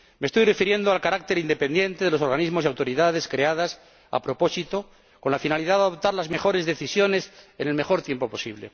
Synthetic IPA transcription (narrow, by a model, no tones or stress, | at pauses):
me̞ːst̪ojre̞fiɾje̞nd̪oalkaɾak̚t̪e̞ɾind̪e̞pe̞nd̪je̞nt̪e̞ð̞e̞lo̞so̞ɾɣanizmo̞siawt̪o̞ɾiðaðe̞skɾeað̞as | a̰pɾo̞po̞sit̪o̞ | ko̞nlafinaliðaðaðop̚t̪aɾlazme̞xo̞ɾe̞zðe̞θisjo̞ne̞sene̞lme̞xo̞ɾt̪je̞mpo̞po̞siβle̞̰